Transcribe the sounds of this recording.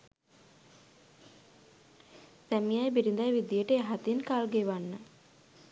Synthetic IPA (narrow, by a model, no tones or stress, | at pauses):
sæmijajbiɾind̪ajʋid̪ijəʈəeɦat̪inkalɡeʋanːə